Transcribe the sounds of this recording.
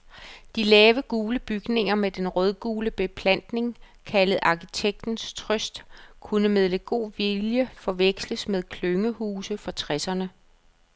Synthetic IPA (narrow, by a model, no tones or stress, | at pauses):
d̥ilɛːʋəɡ̥uːləb̥yɡ̥ne̝ŋɐmed̥enʁœð̞ˠɡ̥uːləb̥e̝pʰlæn̰d̥ne̝ŋ | kʰæləð̩ˠʔɑ̈kʰit͡sʰeɡ̥̚d̥n̩st͡sʰʁœsd̥kʰunəmeð̞ˠləɡ̥o̝̰ːʋiljəfɒ̽ʋeɡ̥sləsmeð̞ˠkʰløŋəhuːsəfɒ̽t͡sʰʁɛsɐnə